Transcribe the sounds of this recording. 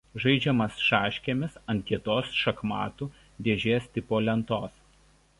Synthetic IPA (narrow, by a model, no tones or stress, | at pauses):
ʒɐɪd͡ʒʲɛmɐsʃɑːʃʲkʲemʲɪsɐnt̪̚ʲkʲiɛt̪oːsʃɐkmɑ̰ːt̪uː | d̪ʲeːʒʲeːsʲt̪ʲɪpoːlʲɛnt̪oːs